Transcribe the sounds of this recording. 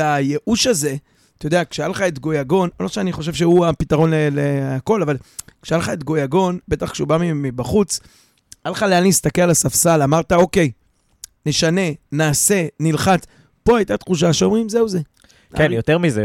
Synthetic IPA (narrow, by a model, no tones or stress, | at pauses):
aje̞ʔuʃaze̞ | t̪ajod̪eakʃealχaet̪ɡo̞jaɡo̞nomoʃeaniχo̞ʃ̬e̞vʃeuapit̪aʁo̞nleleako̞lavalkʃealχaetɡo̞jaɡo̞nbe̞t̪aχkʃeubamiemibaχut͡s | alχaleaniist̪akelalasafsalamaʁt̪ao̞ke̞j | ne̞ʃane̞naːse̞nilχat͡s | po̞ajt̪at̪χuʃ̬aʃeo̞mʁimzeuze̞ | kenjot̪eʁmize